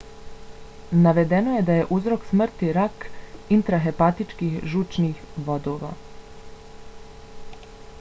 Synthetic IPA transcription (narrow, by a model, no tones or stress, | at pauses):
naʋe̞d̪enoje̞d̪aje̞ʔuzɾo̞ksmr̩t̪iɾakint̪ɾaɦe̞pat̪it͡ʃkixʒut͡ʃniːxʋo̞d̪oːʋa̰